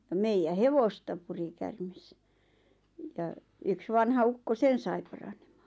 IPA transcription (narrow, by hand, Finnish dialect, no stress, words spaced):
jɑ meijæ heʋostɑ puri kærmes jɑ yks ʋɑnhɑ ukːo sen sɑi pɑrɑn̥e̥m̥ɑ̥ː